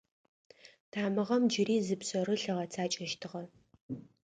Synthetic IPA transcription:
tʰaːmɨʁɐmd͡ʒɪɾiːzɨpɕʼɐɾɨɬɐʁɐt͡sʰaːt͡ʃʼɐʃtʰɨʁɐ

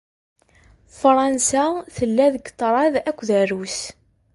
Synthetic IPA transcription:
fɾˤɑnsæθəlːæðəɡt̪ˤːɾˤɑðækʷːðærus

